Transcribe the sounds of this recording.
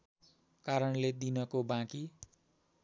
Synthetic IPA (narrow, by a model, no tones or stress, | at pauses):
kaɾʌnled̪inʌkobãki